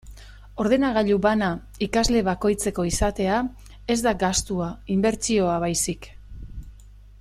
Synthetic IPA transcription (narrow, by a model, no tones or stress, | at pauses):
o̞ɾðe̞naɣ̞aʎuβana | ikazle̞β̞ako̞jt͡se̞ko̞isat̪e̞a | e̞zd̪aɡast̪uaimbe̞ɾt͡ʃio̞aβajsik